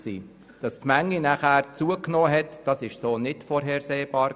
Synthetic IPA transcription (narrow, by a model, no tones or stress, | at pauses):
sḭː | d̥ɑstmæŋːinæχæːɾt͡suəknoːɦɛtd̥ɑsɪʃsoːnɪtfɔɾɦɛːɾseːb̥ɑːɾ